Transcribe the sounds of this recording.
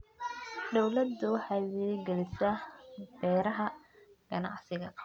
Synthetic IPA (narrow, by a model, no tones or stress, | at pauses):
d̪ɔwlɐd̪ʊħɑwɛɡɛlɪsɐbɛːɾɐɦɐ | ɡ̥ɐnɑ̰ʕsɪɣɐ